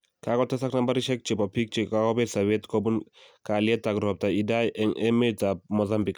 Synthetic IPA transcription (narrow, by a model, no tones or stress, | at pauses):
kakɔtɛsaknambaɾiʃɛk̚t͡ʃebɔpik̚t͡ʃikakɔbesawetkobunkaljɛtaɡɾɔp̚taidajɛŋɛmetamozambik